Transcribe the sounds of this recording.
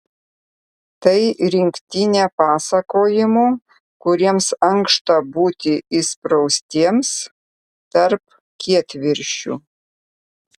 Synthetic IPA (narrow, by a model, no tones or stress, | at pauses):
t̪ɐɪɾʲɪŋʲkt̪ʲɪnʲɛːpɑːsɐkoːjɪmuː | kʊɾʲiɛmsɐŋkʃt̪ɐbuːt̪ʲɪɪspɾɔʊsʲt̪ʲiɛms | t̪ɐɾp | kʲiɛt̪ʲʋʲɪɾʲʃʲṵ